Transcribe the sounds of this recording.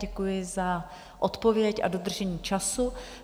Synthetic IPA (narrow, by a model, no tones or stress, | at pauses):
ɛkujɪza | ʔot̪po̞vjɛcʔa̰do̞d̪r̩ʒɛɲiːt͡ʃasu